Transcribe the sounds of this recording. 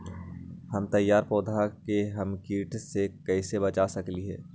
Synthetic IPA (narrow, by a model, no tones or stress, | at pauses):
hɐmt̪ɐjːaːɾpɔːd̪ʱakeɦɐmkiːʈsekɛːsebɐt͡ʃasɐkliɦɛ̰ː